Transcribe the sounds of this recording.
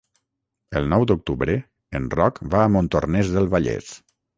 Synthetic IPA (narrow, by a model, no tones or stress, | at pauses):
əlˠnɔwd̪uk̚t̪uβɾə | enrɔkbaːmõnt̪ornɛzðəlˠβaʎḛs